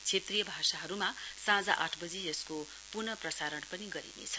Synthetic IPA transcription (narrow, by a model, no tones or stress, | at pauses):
t͡sʰet̪rijʌbʱasaɦʌɾumasãd͡zaʔaʈʰbʌd͡zid͡zʌsko | punʌprʌsaɾʌnpʌniɡʌɾḭnḛt͡sʰʌ̥